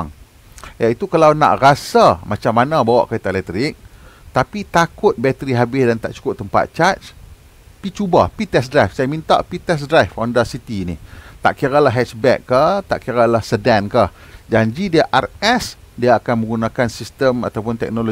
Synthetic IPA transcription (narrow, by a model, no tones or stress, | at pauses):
ŋ | jait̪ukalawna̰ʔrasamat͡ʃamːanãbawa̰ʔkait̪aʔlɛk̚t̪ɾɪk̚t̪apit̪akʊt̪̚bɛt̪əɾiɦabɪsdant̪a̰ʔt͡ʃu̥kʊp̚t̪əmpa̰t̪̚t͡ʃat͡ʃ | pit͡ʃubapit̪ɛsdɾajfsajamint̪a̰ʔpit̪ɛs̬dɾajfɔndasit̪iniht̪a̰ʔkiɾalaɦɛt͡ʃbɛ̰kːaht̪a̰ʔkiɾalahsədɛnkah | d͡ʒaɲd͡ʒidieaʔarɛs | diaːkanmə̃ŋɡunãkansist̪əma̰t̪awpʊnt̪ɛ̰k̚nolo